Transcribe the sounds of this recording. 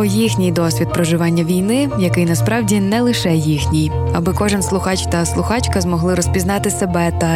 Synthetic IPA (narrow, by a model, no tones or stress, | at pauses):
ɔjixnʲɪjd̪ɔsʲʋʲid̪̚pɾɔʒɪʋɑnʲːɐʋʲijnɪjɐkɪjnɐspɾɑwdʲinɛlˠɪʃɛjixnʲij | ɐbɪkɔʒɪnslˠʊxɑt͡ʃt̪ɐslˠʊxɑt͡ʃkɐzmɔɦlˠɪɾɔsʲpʲiznɑt̪ɪsebɛt̪ɐ